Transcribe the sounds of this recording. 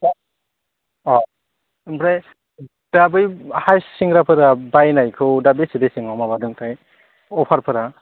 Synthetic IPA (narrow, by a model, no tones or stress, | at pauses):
ɔ | bɾa | d̥abɯjhajsːiŋɡɾapʰɯɾabajnajkʰɯwdabesidesiŋawmabadɯŋtʰaj | ɔpʰaɾpʰɯɾa